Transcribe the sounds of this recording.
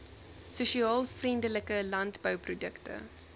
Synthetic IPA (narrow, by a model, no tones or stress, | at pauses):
suʃiɑːlˠfrindələkəlɐntbœwprudəktə̰